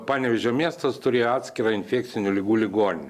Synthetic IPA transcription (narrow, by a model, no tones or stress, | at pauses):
pɑːnʲɛʋʲɛʒʲoːmʲiɛst̪ɐst̪ʊɾʲeːjoɑːt̪ʲsʲkʲɪɾɑɪnʲfʲeːkt̪sʲɪnʲʊlʲɪɡuːlʲɪɡoːnʲɪnʲ